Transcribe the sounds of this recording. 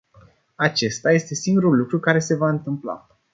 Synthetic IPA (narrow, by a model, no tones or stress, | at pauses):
at͡ʃe̞st̪aje̞st̪e̞siŋɡuɾulukɾukaɾe̞se̞vaɨnt̪ɨmpla̰